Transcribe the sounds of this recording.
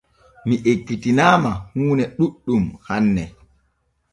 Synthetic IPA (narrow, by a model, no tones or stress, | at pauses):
miʔekːitinaːmahuːnɛɗuɗːumhanːɛ